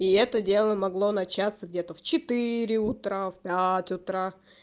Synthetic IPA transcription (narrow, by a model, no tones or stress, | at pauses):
iɛt̪ədʲe̞lˠəmɐɡlˠo̞nɐt͡ɕat̪səɡdʲe̞t̪əft͡ɕɪt̪ɨɾʲɪʊt̪ɾafpʲætʲʊt̪ɾa